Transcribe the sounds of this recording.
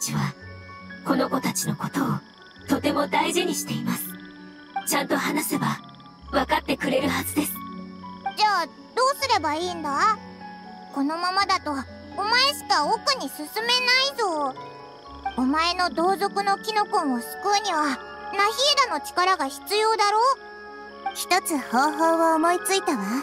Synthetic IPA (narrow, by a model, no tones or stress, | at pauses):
t͡ɕiβa̰ | ko̞no̞ko̞t̪at͡ɕino̞ko̞t̪o̞ː | t̪o̞t̪e̞mo̞d̪aiʑiɲ̟iɕi̥t̪e̞imasɨ̥ | t͡ɕãnt̪o̞hanase̞ba | βakat̪ːe̞kɯ̟ɾe̞ɾɯ̟hazɨd̪e̞sɨ̥d͡ʑaː | d̪̥o̞ːsɨɾe̞baiːnd̪a | ko̞no̞mamad̪at̪o̞ː | mae̞ɕi̥kaokɯ̟ɲ̟isɨsɨme̞naizo̞ː | omae̞no̞d̪o̞ːzo̞kɯ̟no̞kʲino̞kõɰ̃osɨ̥kɯ̟ɲ̟iβa | naçid̪ano̞t͡ɕi̥kaɾaɡaçi̥t͡sɨjo̞ːd̪aɾo̞ː | çʲi̥t̪o̞t͡sɨhoːɦoːβaomo̞it͡sɨit̪aβa